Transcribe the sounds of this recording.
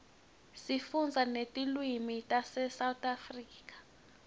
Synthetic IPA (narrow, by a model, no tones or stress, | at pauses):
sifund͡zʱanetʼilwimitʼasɛsawtʼafriːk̬ʼḁ